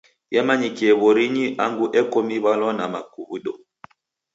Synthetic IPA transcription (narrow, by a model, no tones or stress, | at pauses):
jɛmaɲikiɛβɔɾiɲiʔaŋɡuʔɛkɔmiβalɔnamakuβuɗɔ